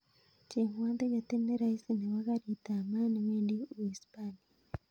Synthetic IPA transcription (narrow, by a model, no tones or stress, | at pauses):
ceŋwaːnt̪eɟateneɾaisineβakaɾitamanimendiwispani